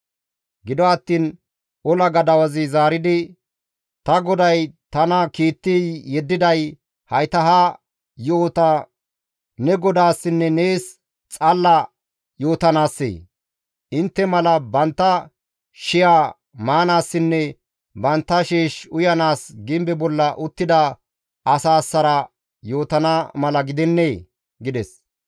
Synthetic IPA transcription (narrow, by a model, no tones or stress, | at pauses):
ɡɪd̪ɔɐt̪ːiːn | ɔlɐɡɐd̪ɐwɐzɪzaːɾɪd̪ɪ | t̪ɐɡɔd̪ɐjt̪ɐnɐkiːt̪ːiːɛd̪ːɪd̪ɐj | hɐjt̪ɐɦa | joːt̪ɐ | nɛɡɔd̪aːsːɪnːɛne̞ːs | t͡sʼɐlːɐ | jo̞ːt̪ɐnaːsːḛː | ʔɪnt̪ːɛmɐlɐbɐnt̪ːɐ | ʃɪjaː | maːnaːsːɪnːɛ | bɐnt̪ːɐʃeːʃʊjɐnaːsɡɪmbɛbɔlːɐʔʊt̪ːɪd̪ɐ | ʔɐsaːsːɐɾɐ | jo̞ːt̪ɐnɐmɐlɐɡɪd̪ɛnːeː | ɡɪd̪ɛs